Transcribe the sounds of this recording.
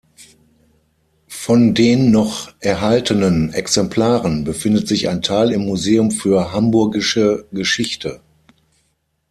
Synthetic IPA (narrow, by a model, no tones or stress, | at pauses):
fɔndeːnːɔχʔɛɐɦaltənənɛ̰ksɛmpʰl̥aːʁənbəfɪndətz̥ɪça̰ɪntʰaɪːlɪmːuzeːʊmfyːɐɦambʊɐɡɪʃəɡəʃɪçtʰə